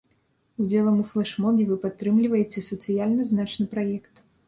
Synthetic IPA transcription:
ud͡zʲɛlˠɐmuflˠaʂmɔɡʲɛvɨpat̪ːɾɨmlʲivɐjɛt͡sʲɛsɐt̪sɨjalʲnɐznat͡ʂnɨpɾajɛkt̪

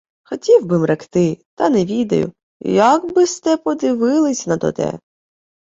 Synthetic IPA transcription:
xɔtʲiwbɪmrɐkt̪ɪt̪ɐnɛʋʲid̪ɐ̰jʊ̰ | jɐɡbɪst̪ɛpɔd̪ɪʋɪlˠɪsʲnɐt̪ɔ̰t̪ɛ̰

